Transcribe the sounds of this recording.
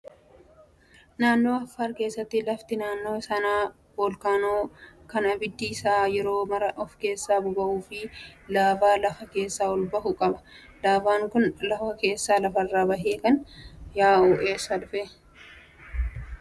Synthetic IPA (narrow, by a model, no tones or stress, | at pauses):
naːnːo̞ːɐfːaːɾke̞ːsːɐt̪ːɪlɐft̪ɪnaːnːo̞ːsɐnaː | boːlkaːnoːkɐnɐbɪd̪ːiːsaːjɛɾo̞ːmɐɾɐʔɔfke̞ːsːaːbʊbɐʔuːfɪlaːfaːlɐfɐke̞ːsːaːwɔlbɐhʊkʼɐbɐ̥ | laːfaːŋkʊnlɐfɐke̞ːsːaːlɐfɐrːaːbɐɦeːkɐnjaːoːʔeːsɐᶑʊfe